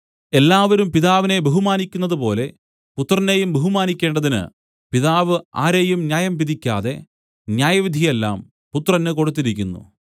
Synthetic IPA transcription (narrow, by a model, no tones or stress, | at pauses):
e̞lːaːʋɐɾumpiðaːʋine̞beɦumaːnikʲːunːɐðɨpo̞ːle̞ | put̪ːrɐne̞jumbeɦumaːnikʲːe̞ːɳɖɐðinɨ̰ | piðaːʋɨa̰ːɾeːjumnjaːjɐmpiðikʲːaːðe̞ | njaːjɐʋid̪ʱije̞lːa̰ːm | put̪ːrɐnːɨko̞ɽut̪ːiɾikʲːunːṵ